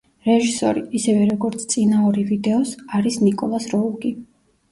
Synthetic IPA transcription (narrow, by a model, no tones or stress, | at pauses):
ɾɛʒisɔɾiːsɛvɛɾɔɡɔɾt̪sʰt̪sʼinauɾivid̪ɛɔsaɾisnikʼɔlˠasɾɔuɡi